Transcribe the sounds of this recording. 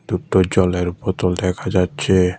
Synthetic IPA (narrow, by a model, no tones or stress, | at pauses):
d̪up̚t̪od͡ʑɔleɾupɔt̪old̪ɛkʰad͡ʑat̪ːɕʰe